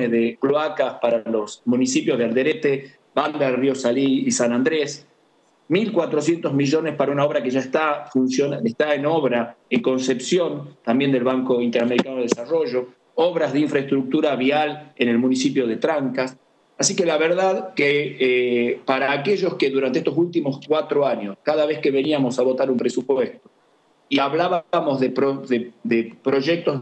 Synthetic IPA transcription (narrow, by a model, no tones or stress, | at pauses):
eðekloakaspaɾalo̞smũnisipjo̞zð̞eald̪eɾet̪e | band̪ario̞saliːsanãnd̪ɾes | milkwat̪ɾosje̞nt̪ozmiʒo̞nespaɾaunao̞βɾakeʒaest̪afunsjonaest̪aeno̞βɾaeŋko̞nsepsjo̞nt̪ambje̞nd̪elβaŋko̞int̪eɾameɾikanoðesaro̞ʒo̞ | oβɾazðeiɱfɾaest̪ɾuk̚t̪uɾaβiale̞ne̞lmũnisipjo̞ð̞e̞t̪ɾaŋkas | asikelaβeɾðaðke | paɾaːkeʒo̞skeðuɾant̪eest̪os̬ult̪imo̞skwat̪ɾoaɲoskaðaβe̞ske̞βe̞niamo̞saβ̞o̞t̪aɾumpɾesupwest̪o | iaβlaβamo̞zðepɾoðed̪epɾo̞ʒek̚t̪o